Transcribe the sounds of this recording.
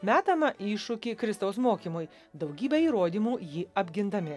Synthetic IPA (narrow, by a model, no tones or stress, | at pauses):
mʲæːt̪ɐmɐʔiːʃʊkʲiːkɾʲɪst̪ɐʊsmoːkʲimʊːj | d̪ɒʊɡʲiːbʲɛiːɾoːd̪ʲiːmuːjiːɐbʲɡʲɪnd̪ɐmʲɪ